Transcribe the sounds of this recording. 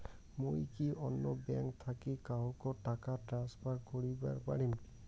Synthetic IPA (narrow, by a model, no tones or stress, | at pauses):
mojkiʔɔnːɔbɛŋkt̪ʰakikaɦukɔtakatɹanspʰaɹkoɹiba̰ɹpaɹim